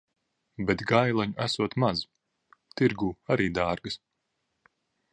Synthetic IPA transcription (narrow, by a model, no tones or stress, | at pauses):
bet̪ɡajlˠaɲuʔæsuɔt̪maz | t̪iɾɡuːaɾiːd̪aːɾɡɨs